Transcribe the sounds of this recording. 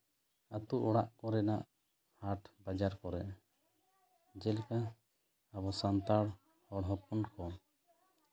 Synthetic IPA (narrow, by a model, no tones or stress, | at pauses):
at̪uʔɔɽaʔkɔɾɛnaʔ | haɾʈbad͡ʒaɾkɔɾɛʔ | d͡ʒɛlka | abɔsant̪aɽ | hɔɽɦɔpunkɔ